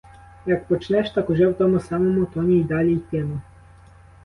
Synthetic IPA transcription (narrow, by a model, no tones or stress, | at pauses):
jɐkpɔt͡ʃnɛʃt̪ɑkʊʒɛwt̪ɔmʊsɑmɔmʊt̪ɔnʲijd̪ɑlʲijt̪ʲɛmʊ